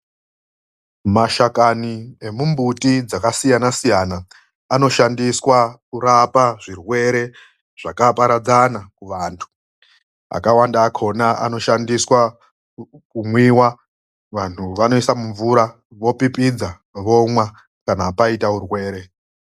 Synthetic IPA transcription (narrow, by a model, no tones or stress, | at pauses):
maʃakanie̞mumbutid͡zakasijanasijanaː | no̞ʃandiswakuɾapaʐirwe̞ɾe̞ | ʐ̥akapaɾad͡zanakuʋaːntʰu̥ | a̰kawandaːkʰo̞naa̰no̞ʃandiswa | kumwiwa | ʋan̤uʋano̞isamuɱvuɾa | ʋo̞pipid͡za | ʋo̞mwa | kanapaitaurwe̞ːɾe